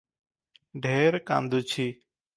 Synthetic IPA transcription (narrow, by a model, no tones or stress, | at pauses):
ɖʱeɾkã̰nd̪ut͡ʃʰi